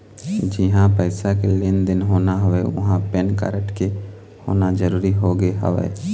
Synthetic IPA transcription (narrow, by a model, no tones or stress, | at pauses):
d͡ʒɪɦãpɛɪsakeleːnd̪ɪnɦoːnaɦəʋeʊ̰ɦãpɛnkə̰ːɾəʈke | ho̰ːnad͡ʒəɾuːɾiɦoɡeɦə̰ʋḛː